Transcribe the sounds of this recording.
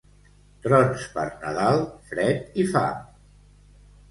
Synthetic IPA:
t̪ɾɔnspəɾnəðalˠfɾɛt̪ifa̰

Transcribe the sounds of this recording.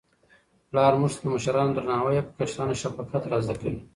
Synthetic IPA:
plɑɾmuʐt̪ad̪əmaʃaɾɑnod̪ɾanɑɦawajapə̥kat͡ʃɾɑnoʃabakat̪ɾɑzd̪akawi

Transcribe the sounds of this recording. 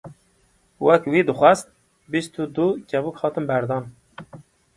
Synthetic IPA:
wɛkwid̪ɨxʷɛst̪̚ | bist̪ʰud̪ucɛbukhɑːt̪ɨmbæɾd̪ɑːn

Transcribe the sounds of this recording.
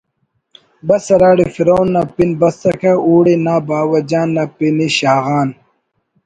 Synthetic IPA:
bɐsɐɾaːɽifiɾoːnːɐpinbɐst̪ɐkʰauːɽinaːbaːwɐd͡ʑaːnːɐpiniɕaːɣaːn

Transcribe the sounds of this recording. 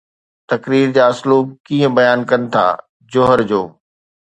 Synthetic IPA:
t̪ɐkɾiːɾd͡ʑaːɐsluːb̚kiːə̃bɐjaːnkɐnɪ̆t̪ʰa̰ː | d͡ʑʊɦəɾd͡ʑoː

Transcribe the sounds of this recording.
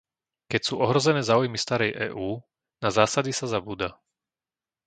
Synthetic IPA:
kɛcsuːʔɔɦɾɔzɛnɛːzaːujmist̪aɾɛjʔɛ̰ːʔuː | nazaːsad̪isazabuːd̪a

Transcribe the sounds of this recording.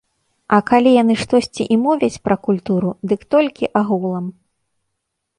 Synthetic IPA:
ɐkalʲijanɨʂt̪ɔsʲt͡sʲiʔimɔvʲɐt͡sʲpɾɐkulʲt̪uɾud̪ɨkt̪ɔlʲkʲiʔaɣulˠɐm

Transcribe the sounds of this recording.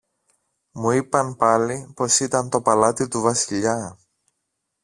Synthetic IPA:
muipɐnpɐlipo̞sit̪ɐnt̪o̞pɐlɐt̪it̪uvɐsiʎɐ

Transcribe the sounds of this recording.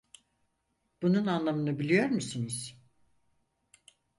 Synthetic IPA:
b̥ununanlˠamɯnɯbilʲijo̞ɾmusɯniz̥

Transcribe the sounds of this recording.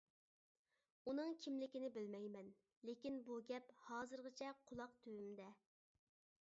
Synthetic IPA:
unɨŋkʲʰimlɪkʲɪnɪbɪlmɛjmɛn | lekʲinbuɡʲɛphɑːzɨɾʁət͡ʃʰɛqʰʊlˠɑqt̪ʰøwymd̪ɛ

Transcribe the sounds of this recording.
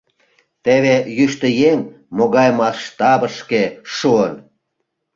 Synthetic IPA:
t̪eβejyʃt̪ə̆jeŋ | moɣɑjmɑʃt̪ɑbəʃkeʃuən

